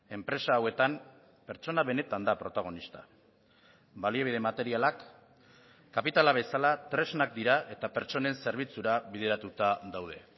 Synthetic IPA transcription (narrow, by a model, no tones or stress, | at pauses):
e̞mpɾe̞saːwe̞t̪am | pe̞ɾt͡ʃo̞naβe̞ne̞t̪and̪apɾo̞t̪aɣ̞o̞nist̪ḁ | balieβ̞ið̞e̞mat̪e̞ɾialakː | apit̪alaβ̞e̞salat̪ɾe̞znak̚d̪iɾaʔe̞t̪ape̞ɾt͡ʃo̞ne̞nse̞ɾβ̞it͡suɾaβið̞e̞ɾat̪ut̪aðawð̞e̞